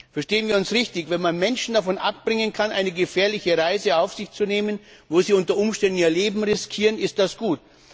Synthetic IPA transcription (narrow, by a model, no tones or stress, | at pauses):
fɛɐʃteːənviːɐʊnsʁɪçtɪçvɛnmanmɛnʃn̩dafɔnʔap̚b̥ʁɪŋənkʰanʔa̰ɪnəɡəfɛːɐlɪçəʁaɪzəaʊfz̥ɪçt͡suneːmənvoːziːʊntɐʔʊmʃtɛndn̩iːɐleːbm̩ʁɪskʰiːʁənɪst̚d̥asɡ̥uːt